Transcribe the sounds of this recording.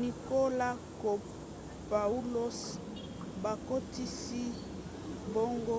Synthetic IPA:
ni˨ko˦la˦ | ko˨p | pa˨u˦lo˦s | ba˨ko˦ti˦si˦ | bo˦ŋɡo˦

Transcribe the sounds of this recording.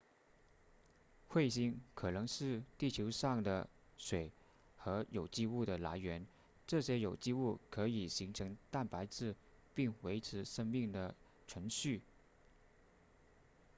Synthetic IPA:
xwe˥˩ɪɕi˥ŋkʰɤ˨˩nɤ˧˥ŋʂɻ̩˥˧t̪i˥˩t͡ɕʰjo˧˥ʊʂɑ˥˩ŋd̪ə˩ | ʂwe˨˩˦ɪ | xɤ˧˥jo˨˩ʊt͡ɕi˥˧u˥˩d̪ə˩la̰˧˥ɪɥɛ˧˥n | ʈ͡ʂɤ˥˩ɕjɛ˥jo˨˩ʊt͡ɕi˥˧u˥˩kʰɤ˧˥i˨˩ɕi˧˥ŋʈ͡ʂʰɤ˧˥ŋt̪a˥˩npa˧˥ɪt͡sɹ̩˥˩ | pi˥˩ŋwe˧˥ɪʈ͡ʂʰɻ̩˧˥ʂɤ˥ŋmi˥˩ŋd̪ə˩ | ʈ͡ʂʰɤ˧˥ŋɕy˥˩

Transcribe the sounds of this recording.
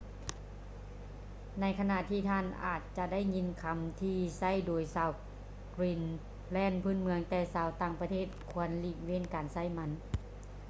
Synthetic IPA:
na˧˥jkʰa˧na˧˨t̪ʰiː˧t̪ʰaː˧˥˨nʔa̰ː˨˩t̪̚t͡ɕa˧da˥˨jɲi˧˥nkʰa˧˦mt̪ʰiː˧sa˥˩˨jdoː˨˩jsaː˧w | kɾiː˧˩n | lɛː˧˥˩npʰɯ˧˥˨nmɯ˧əŋt̪ɛː˧˩saː˨˦wt̪aː˧˩ŋpa˧t̪ʰeː˥˩t̪̚kʰu˧˦ɐnli˧˩weː˧˥˨nkaː˨nsa˧˥˩jma˧˥n

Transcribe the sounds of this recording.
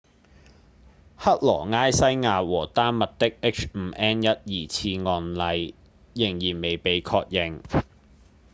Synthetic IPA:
hɐ˥t̚lɔː˨˩ŋaː˥jsɐ˥jŋaː˧wɔː˨˩t̪aː˥nmɐ˨t̚t̪ɪ˥k̚e˦˥k̚t͡ʃm̩ː˧ʔɛː˥njɐ˥t̚jiː˨t͡sʰiː˧ŋɔː˧nlɐ˧jː | ɪ˨˩ŋjiː˨˩nme˨jpe˨˧jkʰɔː˧k̚jɪ˨ŋ

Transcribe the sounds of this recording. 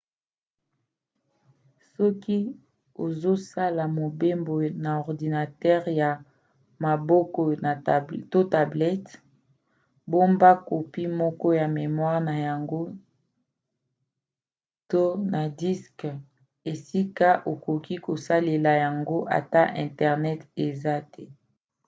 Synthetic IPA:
sɔ˦ki˦ | o̰˨zo˦sa˦la˨mo˨be˦mbo˨na˨ɔ˨ʁdi˨na˨tɛ˦ʁja˨ | ma˨bɔ˦kɔ˦na˨to˦ta˨blɛ˦t | bo˦mba˦ko˨pi˦mɔ˦kɔ˦ja˨me˨mwa˦ʁna˨ja˨ŋɡo˦ | to˦na˨di˦sk | e˨si˦ka˦ʔo˨ko˨ki˦ko˨sa˦le˨la˨ja˨ŋɡo˦ʔa̰˨ta˦ʔɛ̃˨ntɛ˨ʁnɛ˦te˨za˦tʰɛ˦

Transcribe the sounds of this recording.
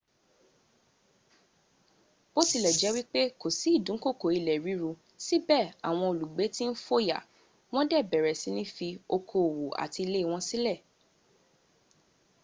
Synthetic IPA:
bo˦si˦˧˨lɛ˨d͡ʒɛ˨˦wi˦k͡pe˦ko˨si˨˦˨dũ˨˦ko˦˨ko˨i˧lɛ˨ɾi˨˦ɾu˧ | si˦bɛ˦˨a̰˨w̃ɔ̃˧o˨lu˨ɡ͡be˨˦ti˦n̩˦fo˦ja̰˨ | w̃ɔ̃˦dɛ˦˨bɛ˨ɾɛ˨si˨˦nĩ˦fi˧o˧kʰo˨wo˨a̰˨ti˧i˧le˦i˦˧w̃ɔ̃˦si˦lɛ˦˨

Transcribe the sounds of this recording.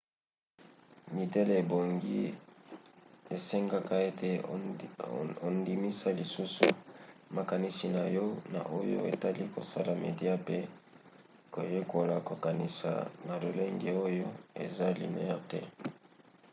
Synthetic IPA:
mi˨te˦le˨e˨bo˨ŋɡi˦ | e˨se˦ŋɡa˦ka˦e˦te˦ | o˨ndi˨mi˦sa˦li˨su˦sṵ˨ma˨ka˨ni˦si˨na˨jɔ˦na̰˨ʔo˦jo̰˦ḛ˨ta˦li˦ko̰˨sa˦la˨me˨dja˦pe˦ | ko˨je˦ko˨la˨ko˨ka˨ni˨sa̰˨na˨lo˨le˦ŋɡe˨o˦jo˦ḛ˨za˦lḭ˨nḛ˦ja˦te˦

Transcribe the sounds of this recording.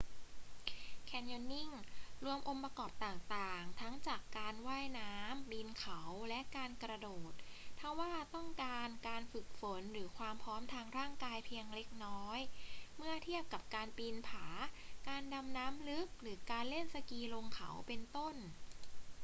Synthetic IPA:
kʰɛː˧njɔ˧nːi˥˩ŋɾu˧əmʔo˧mpɾa˧kɔː˨˩p̚t̪aː˨˩ŋt̪aː˨˩ŋt̪ʰa˦˥ŋt͡ɕaː˨˩kːaː˧nwaː˥˩jnaː˦˥mbiː˧nkʰa˩˦wlɛ˦˥ʔkaː˧nkɾa˧doː˨˩t̪̚t̪ʰːa˥˩waː˥˩t̪ɔ˥˩ŋkaː˧nkaː˧nfɯ˨˩k̚fo˩˦nɾɯː˩˦kʰwaː˧mpʰɾɔː˦˥mt̪ʰaː˧ŋɾaː˥˩ŋkaː˧jpʰiː˧əŋle˦˥k̚nɔː˦˥jmɯ˥˩ɐt̪ʰi˥˩əp̚ka˨˩p̚kaː˧npiː˧npʰaː˩˦kaː˧nda˧mnaː˦˥mlɯ˦˥k̚ɾɯː˩˦kaː˧nle˥˩nsa˧kiː˧lo˧ŋkʰa̰˨˩˦wpe˧nt̪o˥˩n

